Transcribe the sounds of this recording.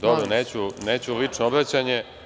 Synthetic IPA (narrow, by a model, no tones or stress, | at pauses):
d̪oboneːt͡ɕuneːt͡ɕulit͡ʂnoobɾat͡ɕaɲe